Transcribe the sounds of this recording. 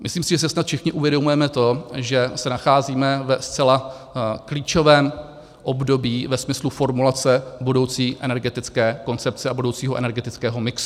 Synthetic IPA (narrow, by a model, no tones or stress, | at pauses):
mɪsliːmsɪʒɛs̬ɛsnat̪fʃɪxɲɪʔuvjɛdo̞mujɛmɛt̪o̞ʒɛsɛnaxaːziːmɛvɛst͡sɛla | kliːt͡ʃo̞vɛːm | ʔo̞bdo̞biːvɛsmɪslufo̞ɾmulat͡sɛbudo̞wt͡siːʔɛnɛɾɡɛt̪ɪt͡skɛːko̞nt͡sɛp̚t͡sɛabudo̞wt͡siːɦoʔɛ̰nɛɾɡɛt̪ɪt͡skɛːɦo̞mɪksu̥